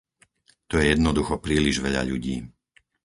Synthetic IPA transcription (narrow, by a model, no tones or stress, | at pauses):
t̪ɔjɛjɛd̪nɔd̪uxɔpɾiːliʒʋɛʎa̰ʎuɟiː